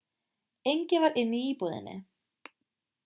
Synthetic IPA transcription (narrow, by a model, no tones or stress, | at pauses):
ejɲcɪvaɾʔɪnːiiːpuðɪ̰nːɪ̰